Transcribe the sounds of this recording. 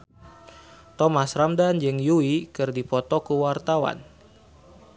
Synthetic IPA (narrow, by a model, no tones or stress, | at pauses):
t̪ɔmasramdand͡ʒɨŋjuikɨrdipɔt̪ɔkuwart̪awa̰n